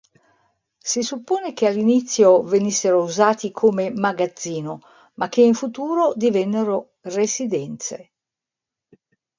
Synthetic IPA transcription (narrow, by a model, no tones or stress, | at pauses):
sisupːoːnek̟ealːinit̪sːjovenisːeɾouzaːt̪ikʰomemaɡad̪zːiːno | mak̟ːeiɱfut̪uːɾod̪ivɛnːeɾo | resid̪ɛnt̪sḛ